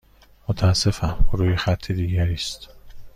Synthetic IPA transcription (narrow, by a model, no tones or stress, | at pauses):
mot̪ʰæːsːe̞fæmuɾuːjexæt̪ʰːed̪iːɟæɾiːst̪